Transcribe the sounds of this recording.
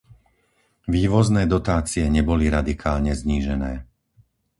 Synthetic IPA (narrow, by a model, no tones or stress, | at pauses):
ʋiːʋɔznɛːd̪ɔt̪aːt͡siɛɲɛbɔliɾad̪ikʰaːlɲɛzɲiːʒɛnɛː